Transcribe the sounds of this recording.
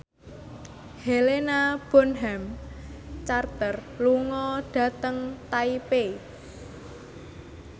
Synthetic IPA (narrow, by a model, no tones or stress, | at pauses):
helenab̥ɔ̤nɦɛm | t͡ʃart̪ərluŋɔɖ̥ä̤t̪əŋt̪aipe